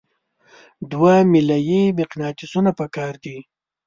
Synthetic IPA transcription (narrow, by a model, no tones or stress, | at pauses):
d̪wamɪlajimɪqnɑt̪ɪsunapəkɑɾd̪i